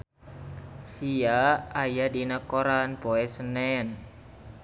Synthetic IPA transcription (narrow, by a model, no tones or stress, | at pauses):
sijaajadinakoɾanpoɛsənɛn